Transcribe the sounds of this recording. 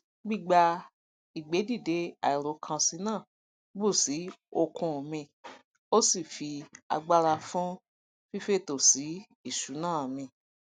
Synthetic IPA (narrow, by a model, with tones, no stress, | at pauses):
ɡ͡bi˦˨ɡ͡ba˧ | i˨ɡ͡be˨˦di˦˨de˨˦a̰˨i˨ɾo˨˦kʰã˧si˧˦nãː˦˨ | bu˦˨si˨˦o˧kʰũ˧˨mĩ˧ | o˦si˦˨fi˧a̰˧ɡ͡ba˦˧ɾa˧fũ˦ | fi˦fe˦to˨si˨˦ | i˦˨ʃu˨˦nãː˦˨mĩ˧˨